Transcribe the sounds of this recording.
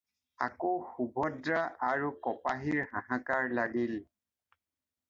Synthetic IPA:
akoxubʱɔdɹaʔaɹukɔpaɦiɹhãɦãkaɹlaɡil

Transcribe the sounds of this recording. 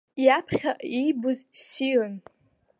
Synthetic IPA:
japʰχʲaʔijbʊzsilɨn

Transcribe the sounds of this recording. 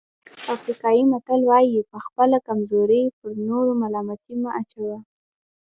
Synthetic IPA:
afɾikɑjimat̪alwɑjipəxpəlakamzoɾəpəɾnoɾomalɑmat̪imaʔat͡ʃawa

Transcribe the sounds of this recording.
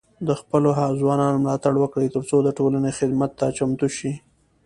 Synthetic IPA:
d̪əxpəloɦazwɑnɑnomlɑt̪aɽwəkɽəjt̪əɾt͡sod̪əʈolanexɪd̪mat̪ːat͡ʃamt̪uʃi

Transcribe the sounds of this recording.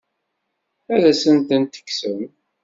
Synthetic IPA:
æðæsənt̪ənt̪ə̥ksəm

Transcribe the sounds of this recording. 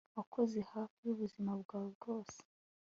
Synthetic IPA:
wakʰo̞ze̞hafijuβuzimabɡaːbɡo̞ːse̥

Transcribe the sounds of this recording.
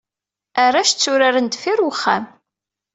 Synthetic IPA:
arːaʃt͡sːʊɾaɾənd̪fiɾwəχːa̰m

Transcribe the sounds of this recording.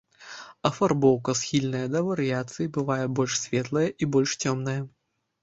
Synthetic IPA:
ɐfarbɔwkɐsxʲilʲnɐjɐd̪ɐvɐɾɨjat̪sɨjibɨvajɛbɔlʲʂsʲvʲɛt̪lˠɐjɛʔibɔlʲʂt͡sʲɔmnɐjɐ

